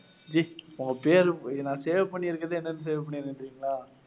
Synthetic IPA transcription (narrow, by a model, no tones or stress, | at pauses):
d͡ʒiʊŋɡɐpeːɾnãːseːʋɛpːɐɳːiɾɯkːɐðeːɛnːɐnːɯs̬eːʋɛp̬ɐɳːɪnɯnɖɾiːŋɡɐɭaː